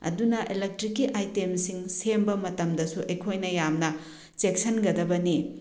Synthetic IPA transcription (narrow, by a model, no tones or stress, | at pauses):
ɐ̰dunɐʔilek̚tɾikːiʔajtemsiŋsembɐmɐtɐmdɐsuʔɐjkʰojnɐjamnɐ | t͡ʃek̚sɐnɡɐdɐbɐni